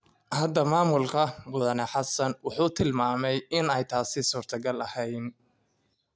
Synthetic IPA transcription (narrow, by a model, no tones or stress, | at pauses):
hɐd̪ɐmaːmʊlkʰɐwʊðɐnɛħɑsɐnwɑħuːt̪ʰɪlmaːmɛjɪnɛjt̪ʰaːsɪsuːrt̪ʰɐɡɐlɐhɛjn